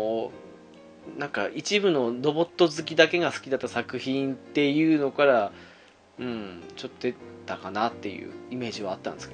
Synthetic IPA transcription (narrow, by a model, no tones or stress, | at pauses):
nãŋkaʔit͡ɕibɯ̟no̞ɾo̞bo̞t̪ːo̞zɨk̬ʲid̪ake̞ɡasɨ̥kʲid̪at̪ːasakɯ̟çĩnt̪ːe̞jɯ̟ːno̞kaɾa | ɯ̟̃ɴt͡ɕo̞t̪ːod̪e̞t̪akanat̪ːe̞jɯ̟̰ːime̞ːʑiβaːt̪ːãnd̪esɨk